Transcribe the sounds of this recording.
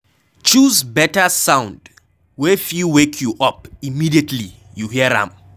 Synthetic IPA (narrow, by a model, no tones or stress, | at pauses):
t͡ʃuzbɛtəsãʊ̃nd | wɛfiwekʰjuʔɔpimidiətʰli | juhiəɹã̰m